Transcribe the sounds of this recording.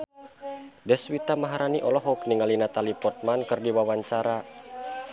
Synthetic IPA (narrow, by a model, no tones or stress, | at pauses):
dɛswit̪amaɦaɾaniʔɔlɔɦɔkniŋalinat̪alipɔrt̪̚mankɨrdiwawaɲt͡ʃaɾa